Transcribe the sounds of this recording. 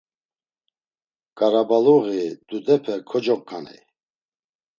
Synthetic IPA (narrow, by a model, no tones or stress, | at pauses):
kʼaɾabaluɣid̪ud̪ɛpʰɛkʰɔd͡ʒɔk̚kʰːanḭ